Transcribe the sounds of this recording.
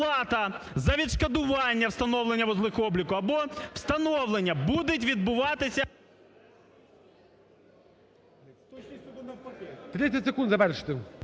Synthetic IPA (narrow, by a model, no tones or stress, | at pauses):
lˠɑt̪ɐ | zɐʋʲid̪ʃkɐd̪ʊʋɑnʲːɐwst̪ɐnɔwlˠenʲːɐʋɔzlˠɪxɔblʲikʊɐbɔw̥st̪ɐnɔwlˠenʲːɐbud̪ɪtʲʋʲid̪̚bʊʋɑt̪ɪsʲɐ | t̪ɾɪɐtʲsɪkund̪zɐʋɛrʃɪ̥t̪ɪ